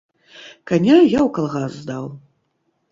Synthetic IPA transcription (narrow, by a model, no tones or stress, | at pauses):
kanʲajawkalˠɣasːd̪aw